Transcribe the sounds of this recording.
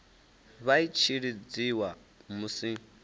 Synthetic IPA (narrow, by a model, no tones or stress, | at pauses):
βait͡ʃʰiɺid͡ziwa | musi